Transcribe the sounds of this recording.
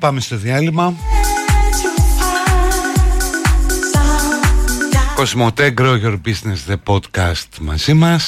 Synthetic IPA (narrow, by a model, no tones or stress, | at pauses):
pɐmest̪o̞ðiɐlimɐ | kosmot̪eɡɾoʝeɾbiznesðepod̪kɐst̪mɐ̰zimɐs